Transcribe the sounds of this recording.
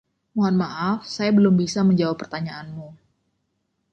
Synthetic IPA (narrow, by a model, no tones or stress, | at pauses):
muɦanmaʔafsajabəlʊmbisaməɲd͡ʒawapːərt̪aɲaʔːnmu